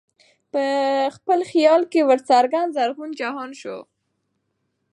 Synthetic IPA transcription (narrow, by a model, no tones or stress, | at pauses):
pəxpəlxijɑlkewəɾt͡saɾɡand̪zaɾɣund͡ʒaɦɑnʃo̰